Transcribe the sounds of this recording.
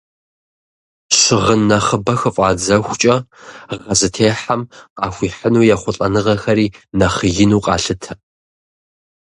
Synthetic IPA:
ʂɨʁənːɐχəbɐxɨfʼɑːd͡zɐxʷt͡ʃʼɐʁɐzɨtʰeːħamqʼɑːxʷiːħənuːjɛχʷʊɬʼɐnɨʁɐxɐɾiːnɐχəjɪnuːqʼɑ̰ːɬɨtʰɐ

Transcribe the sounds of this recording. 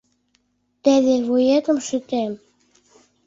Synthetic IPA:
t̪æðeβujet̪ɤ̆mʃy̆t̪æm

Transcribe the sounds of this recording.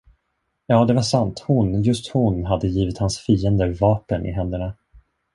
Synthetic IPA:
jɑːd̪ɛvaʂant̪hʊnjɵst̪hʊnɦad̪ːəjiːvɪt̪hansfiːənd̪əɾvɑːpənɪ̰ɦɛnd̪əɳa

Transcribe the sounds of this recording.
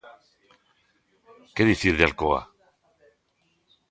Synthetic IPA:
keðiθiɾðealkoa̰

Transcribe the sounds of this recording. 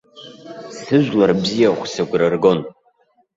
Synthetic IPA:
sɨʒʷᶣlarbzijaχʷsaɡʷrɨrɡo̞n

